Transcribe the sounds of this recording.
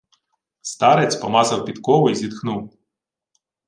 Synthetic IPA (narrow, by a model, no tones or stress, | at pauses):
st̪ɑɾet͡sʲpɔmɑzɐwpʲit̪kɔʋʊizʲid̪xnuw